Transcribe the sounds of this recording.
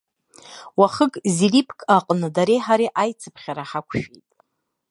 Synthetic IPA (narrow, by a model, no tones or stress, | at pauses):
waχəkʼziripʰkʼaqʼnɨdaɾejħaɾiʔajt͡sʰɨpʰχʲaɾaħakʷʰʃᶣḭjtʼ